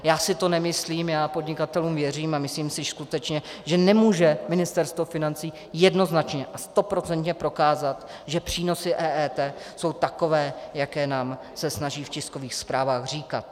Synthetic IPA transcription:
jaːsɪt̪o̞nɛmɪsliːmjaːpodɲɪkat̪ɛluːmvjɛr̝iːmamɪsliːmsɪskut̪ɛt͡ʃɲɛʒɛnɛmuːʒɛmɪnɪst̪ɛɾst̪vo̞fɪnant͡siː | jɛdno̞znat͡ʃɲɛʔast̪o̞pɾo̞t͡sɛnt̪ɲɛpɾo̞kaːzat̪ | ʒɛpr̝̥iːno̞sɪʔɛːʔɛːt̪ɛːso̞wt̪ako̞vɛːjakɛːnaːm | sɛsnaʒiːfcɪskoviːxspɾaːvaːxr̝iːka̰t̪̚

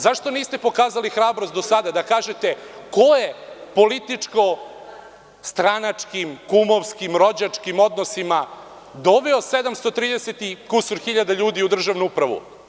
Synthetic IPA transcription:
zaʃt̪o̞niːst̪e̞po̞kaːzalixɾaːbɾost̪d̪osad̪ad̪akaːʒet̪e̞ko̞jepo̞lit̪it͡ʂko̞ | st̪ɾanat͡ʂkimkumoʋskimɾo̞d͡ʑat͡ʂkimo̞d̪nosima | d̪o̞ʋɛose̞d̪amst̪o̞t̪ɾiːd̪eset̪ikusuɾxiʎad̪aʎuːd̪iud̪r̩ʒaʋnuupɾaʋṵ

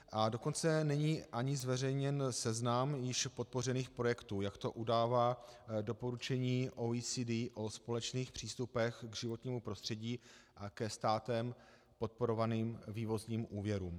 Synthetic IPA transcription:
ʔadoko̞nt͡sɛnɛɲiːʔaɲɪzvɛrɛjɲɛnsɛznamjɪʃpo̞t̪̚po̞r̝ɛniːxpɾo̞jɛkt̪uːjakt̪o̞ʔudaːvaːdo̞po̞ɾut͡ʃɛɲiːʔoisidiʔo̞spo̞lɛt͡ʃniːxpr̥iːst̪upɛxɡʒɪvo̞t̪ɲiːmupɾo̞st̪r̝̥ɛɟiːʔakɛst̪aːt̪ɛm | po̞t̪̚po̞ɾo̞vaniːmviːvo̞zɲiːmʔuːvjɛɾuːm

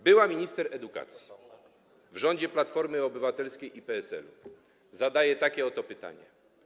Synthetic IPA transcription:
bɘwamʲiɲist̪ɛɾɛd̪uka̰t̪sʲji̥ | vʐɔɲd͡ʑɛplat̪fɔɾmɘɔbɘvat̪ɛlskʲejʔipɛɛsɛ̰lu | zad̪ajɛt̪akʲɛɔt̪ɔpɘt̪a̰ɲɛ̰

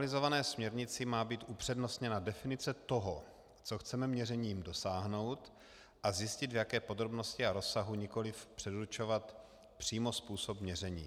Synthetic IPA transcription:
lɪzo̞vanɛːsmɲɛɾɲɪt͡sɪmaːbiːt̪ʔupr̥ɛdno̞st̪ɲɛnadɛfɪnɪt͡sɛt̪o̞ɦo | t͡so̞xt͡sɛmɛmɲɛrɛɲiːmdo̞saːɦno̞wt̪ | ʔazjɪscɪd̪vjakɛːpo̞d̪ɾo̞bno̞scɪaɾo̞sːaɦuɲɪko̞lɪfpr̝̥ɛduɾt͡ʃo̞vat̪ | pr̝̥iːmo̞spuːsopmɲɛrɛɲḭː

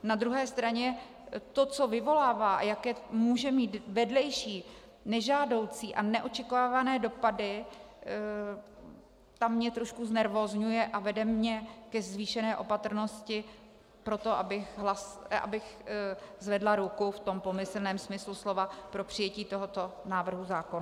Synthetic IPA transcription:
nad̪ɾuɦɛːst̪ɾaɲɛ | t̪o̞t͡so̞vɪvo̞laːvaːʔajakɛːmuːʒɛmiːt̪vɛdlɛjʃiː | nɛʒaːdo̞wt͡siːʔanɛʔo̞t͡ʃɛkovaːvanɛːdo̞padɪ | t̪amːɲɛt̪ɾo̞ʃkuznɛɾvozɲujɛʔavɛdɛmɲɛkɛzviːʃɛnɛːʔo̞pat̪r̩no̞scɪ | pɾo̞t̪o̞ʔabɪxɦlasʔa̰bɪx | zvɛdlaɾukuft̪o̞mpo̞mɪsl̩nɛːmsmɪsluslo̞vapɾo̞pr̥ɪjɛciːt̪o̞ɦo̞t̪o̞naːvr̩ɦuzaːkona

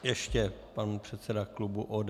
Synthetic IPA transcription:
jɛʃcɛpanpr̝̥ɛt̪sɛdaklubuʔoːd

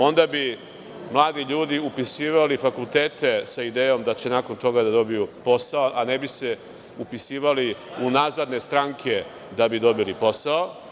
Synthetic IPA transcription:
o̞nd̪abi | mlˠaːd̪iʎuːd̪iupisiːʋalifakulˠt̪eːt̪e̞said̪eːjo̞md̪at͡ɕe̞nako̞nt̪o̞ɡad̪ad̪o̞bijupo̞saoʔanebise | upisiːʋaliunaːzad̪ne̞st̪ɾaŋkʰe̞ | d̪abid̪o̞bilipo̞sao

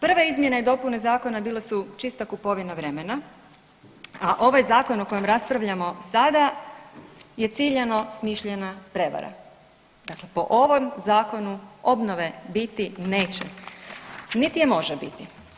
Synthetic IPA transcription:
pr̩ʋaizmje̞neid̪o̞pune̞zaːko̞nabiːlesut͡ʃist̪akupo̞ʋinaʋɾe̞mena | aʔo̞ʋajzaːko̞noko̞je̞mɾaspɾaʋʎamo̞sad̪a | je̞t̪siːʎeno̞smiʃʎenapɾe̞ʋa̰ɾa̰ | d̪akle̞po̞̰ʔo̞ʋo̞mzaːko̞nuo̞bno̞ʋe̞bit̪ineːt͡ɕḛ | nit̪ijemo̞ʒebit̪i

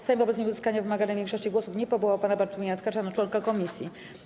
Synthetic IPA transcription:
samvɔbɛt̪sɲimuzɘskaɲavɘmaɡanɛvʲjɛ̃ŋkʂɔɕt͡ɕiɡwɔsufɲɛpɔbuwapanabaɾt̪ɔvʲɲat̪kaɾʂanat͡ʂwɔŋkakɔmʲisʲjḭ

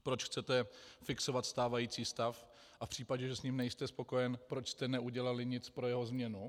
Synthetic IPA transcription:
pɾo̞t͡ʃxt͡sɛt̪ɛfɪkso̞vat̪st̪aːvajiːt͡siːst̪af | ʔafpr̥iːpaɟɛʒɛsɲiːmnɛjst̪ɛspo̞ko̞jɛnpɾo̞t͡ʃst̪ɛnɛuɟɛlalɪɲɪt͡spɾo̞jɛɦo̞zmɲɛnu

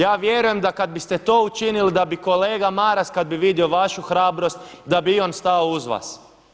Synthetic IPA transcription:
jaːʋje̞ɾujemd̪akad̪̚bist̪et̪o̞ːut͡ʃinilid̪abiko̞leːɡamaːɾaskad̪̚biʋid̪ioʋaʃuxɾaːbɾo̞st̪d̪abiionst̪aouzʋa̰ːs

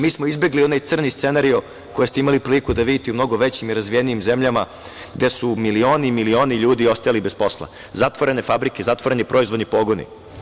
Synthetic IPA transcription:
miːsmoizbe̞ɡlio̞najt̪sr̩nist̪se̞naɾio | ko̞jest̪eimalipɾilikud̪aʋid̪it̪eumno̞ɡo̞ʋe̞t͡ɕimiɾazʋijeniimze̞mʎama | ɡd̪e̞sumilio̞ːnimilio̞ːniʎuːd̪io̞st̪ajalibe̞spo̞slˠa̰ | zat̪ʋo̞ɾe̞ne̞fabɾikezat̪ʋo̞ɾe̞nipɾʔo̞izʋo̞d̪nipo̞ɡonḭ

